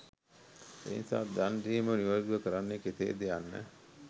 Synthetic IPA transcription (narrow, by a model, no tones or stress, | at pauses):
ḛːinsa̰ːd̪andiːməniʋaːd̪uʋɐkəɾanːeket̪ḛːd̪eanːə̰